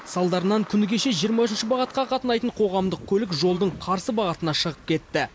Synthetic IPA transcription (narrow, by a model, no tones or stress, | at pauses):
sɑlˠd̪ɑɾənɑŋkʲʰʏnɪɡʲe̞ʃe̞ʒijəɾmɑʏʃ̬ɪnʃɪbɑʁɑt̪̚qɑqʰɑt̪ənɑjt̪əɴqʰo̞ʁɑmd̪əq̚kʲʰɵlɪkʒo̞lˠd̪əɴqʰɑɾsəbɑʁɑt̪ənɑʃəʁəp̚kʲʰe̞t̪ːɪ